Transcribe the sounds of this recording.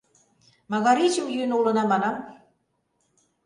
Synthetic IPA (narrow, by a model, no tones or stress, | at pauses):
mɑɣɑɾit͡ɕuwjynulɤ̆nɑmɑnɑm